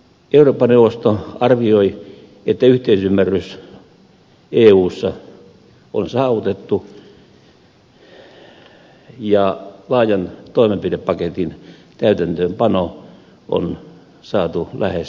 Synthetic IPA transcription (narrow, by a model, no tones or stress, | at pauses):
euroːpːɑneuʋˑost̪oɑrʋioi | et̪ːæyht̪eisymːærys | eːuːsːɑ | o̰nsɑːʋut̪et̪ːu | jɑlɑːjɑnt̪oimempireppɑket̪int̪æyt̪ænt̪øːmpɑno | o̰n | sɑːt̪ulʔæhes